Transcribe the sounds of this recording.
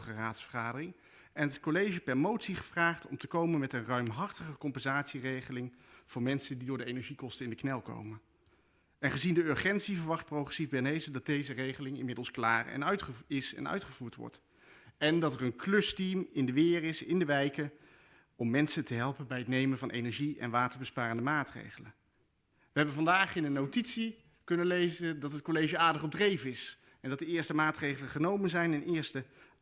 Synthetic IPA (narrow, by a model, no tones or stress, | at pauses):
χəraːtsfəɹχaːdərɪŋ | ɛnətkolejʒəpɛɹmowtsiχəvraːχtɔmtəkowmənmɛtənrœɥmɦɑrtəχəkɔmpɛnzaːtsirejχəlɪŋv̥ʊːɹmɛnsəndidʊːɹdəejnɛɹʒikɔstəɪndəknɛlˠko̰wmən | ɛnχəzindəøɹχɛntsivəɹʋɑχt̚prowχrɛsivbɛɹnejzədɑd̚dejzərejχəlɪŋɪ̰nmɪdəlˠsklaːɹɛ̰nœɥtχəɪsɛ̰nœ̰ɥtχəv̥uːɹtʋɔ̰ɹt | ɛndɑtɛɹənklɵstimɪndəʋɪːrɪsɪndəʋɛjkə | ɔmːɛnsətəɦɛlˠpənbɛjɦətnejmənvɑnʔḛjnɛɹʒiɛ̰nʋaːtəɹbəspaːrəndəmaːtrḛjχələn | ʋəɦɛbənvɑndaːχɪnənːowtitsi | kɵnənlejzəndɑtɦət̚kolejʒəaːɹdəχɔb̚drejvənɪs | ɛndɑt̚dəɪːɹstəmaːtrejχələnχənowmənzɛjnɛnʔɪːɹstə